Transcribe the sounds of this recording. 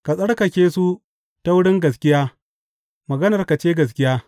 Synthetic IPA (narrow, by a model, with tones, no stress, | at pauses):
ka˨sʼɐ˦ɽkɐ˨kʲeː˦su˦ | ta˦wʊ˦ɽɪ˦ŋɡɐ˨s̬kʲɪ˦jaː˦ | mɐ˨ɡɐ˦nɐ˨rka˨t͡ʃeː˦ɡɐ˨s̬kʲɪ˦jaː˦